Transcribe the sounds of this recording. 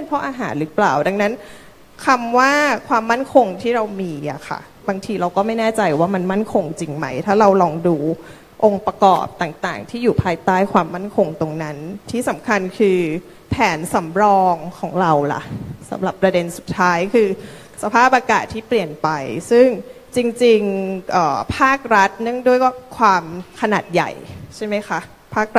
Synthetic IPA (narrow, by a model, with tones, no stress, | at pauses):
pe˧npʰɾɔ˦˥ʔaː˧ɦaː˩˦nɾɯː˩˦plaː˨˩wda˧ŋna˦˥n | kʰa˧mwaː˥˩kʰwaː˧mːa˥˩nkʰo˧ŋt̪ʰiː˥˩ɾa˧wmiː˧ʔa̰˨˩kʰa̰˧˩ | baː˧ŋt̪ʰiː˧ɾa˧wkɔː˥˩ma˥˩jnɛː˥˩t͡ɕa˧jwaː˥˩ma˧nma˥˩nkʰo˧ŋt͡ɕi˧ŋma˦˥jt̪ʰaː˥˩ɾa˧wlɔː˧ŋduː˧ | ʔo˧ŋpɾa˧kɔ̰ː˨˩p̚t̪aː˨˩ŋt̪aː˨˩ŋt̪ʰiː˥˩juː˨˩pʰaː˧jt̪aː˥˩jkʰwaː˧mːa˥˩nkʰo˧ŋt̪o˧ŋna˦˥nt̪ʰiː˥˩sa˩˦mkʰa˧nkʰɯː˧ | pʰɛː˩˦nsa˩˦mɾɔː˧ŋkʰɔː˩˦ŋɾa˧wla̰˨˩ʔsa̰˩˦mɾa˨˩pːɾa˧de˧nsu˨˩t̪ʰːaː˦˥jkʰɯː˧ | sa˧pʰaː˥˩p̚ʔaː˧kaː˨˩t̪ʰːiː˥˩pli˨˩ənpa˧jsɯ˥˩ŋ | t͡ɕi˧ŋt͡ɕi˧ŋʔɤː˨˩pʰaː˥˩k̚ɾa˦˥t̪̚nɯ˥˩əŋdu˥˩əjwaː˥˩kʰwaː˧mkʰa˧naː˨˩t̪̚ja̰˨˩jt͡ɕʰa˥˩jma˦˥jkʰa˦˥ʔ | pʰaː˥˩k̚ɾ